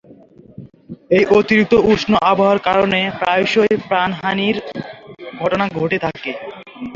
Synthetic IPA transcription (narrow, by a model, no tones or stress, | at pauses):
ejʔot̪iɾik̚t̪ouʃnoʔaboɦoaɾkaɾonepɾajʃojjpɾanɦaniɾ | ɡʱɔʈonaɡʱoʈet̪ʰake